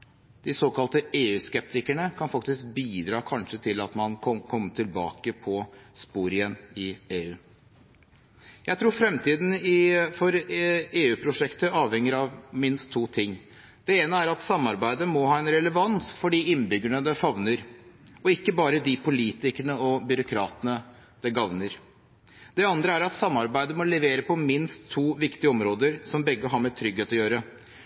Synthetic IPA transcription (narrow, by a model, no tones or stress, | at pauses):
d̪̥ɪsoːkɑlt̪əeːʉːskɛp̚t̪ʰɪkəɳəkʰɑnfɑk̚t̪ɪsk̚biːd̪ɾɑːkʰɑnʂət̪ʰɪlɑt̪mɑnkʰɔkʰɔmːəʈ̪ʰɪlbɑ̰ːkəpʰɔspuːɾɪɛnɪeːʉː | jæɪt̪ʰɾuːɾfɾɛmt̪ʰiːd̪n̩ɪfɔɾeːʉːpʰɾʊʂɛkt̪əɑːʋhɛŋːɪɾɑʋmɪnst̪ʰːuːt̪ʰɪŋː | d̪̥ɛeːnəæɾɑt̪sɑmːɑɾbæɪd̪əmɔɦɑːɛnɾɛləʋɑnsfɔɖiːɪnːbʏɡəɳəd̪ɛfɑʋnəɾɔɪkːəbɑːɾəd̪ɪpʰʊliːt̪ɪkəɳəɔbʏɾʊkʰɾɑ̰ːt̪ənə | d̪̥ɛɡɑʋnəɾ | d̪̥ɛɑnd̪ɾəæɾɑt̪sɑmːɑɾbæɪd̪əmɔlɛʋeːɾəpʰɔmɪnst̪ʰːuːʋɪkt̪ɪəɔmɾoːd̪əɾsɔmbɛɡːəɦɑɾmɛt̪ʰɾʏɡheːt̪ɔjøːɾə